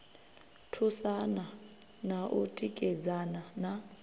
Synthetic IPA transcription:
tʰusananaʔutʼikʼɛd͡zanana

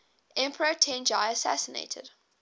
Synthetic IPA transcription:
ʔɛ̃mpʰəɹətʰɛ̃nd͡ʒaɪəsæ̰sənḛɪtʰə̰d̥

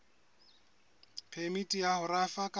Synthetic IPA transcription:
pʰɛmitʼijahʊrafakʼ

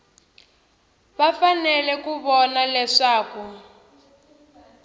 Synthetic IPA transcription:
βafanɛlɛkuβɔnalɛʂaːku

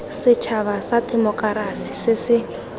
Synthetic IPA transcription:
sɪt͡ʃʰaβasadʼɛmɔkʼaɾasisɪsɪ

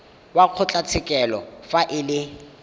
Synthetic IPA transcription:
waq͡χʰʊt͡ɬʼat͡sʰɪkʼɛlɔfaʔɪlɪ

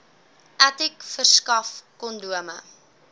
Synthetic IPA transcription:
ʔætikfərskɐfkɔnduəmə̰

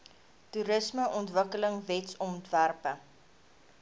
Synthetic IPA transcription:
tuɾəsməʔɔntvəkələŋvɛtsɔntværpə

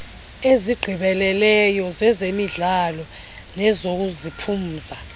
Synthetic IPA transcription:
eziɡ͡ǃʱiɓɛlɛlɛjɔzɛzemiɮalɔ | nɛzok̬uzipʰum̩ːza

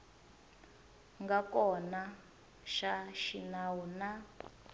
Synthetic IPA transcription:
ŋɡakɔna | ʃaʃinawuna

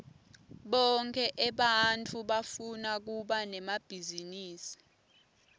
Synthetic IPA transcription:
ɓɔŋkʰʼɛʔɛɓantʰʼuɓafunak̬uɓanɛmab̥ʱiziniːsi̥

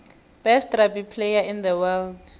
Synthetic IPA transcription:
b̥ɛstrabipʰlejaɪ̃nd̪əwɛld

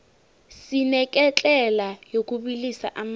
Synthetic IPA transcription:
sinɛkʼɛt͡ɬʼɛlajokʼubilisa̰ʔam

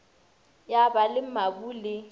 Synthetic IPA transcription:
jabalɪmabuːlɪ

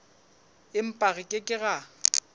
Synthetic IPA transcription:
ɪm̩pʼaɣɪkʼɪkʼɪɣa

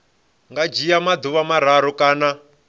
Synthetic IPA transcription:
ŋɡad͡ʒijamad̪uβamaɾ̤aɾɔkʼaːna

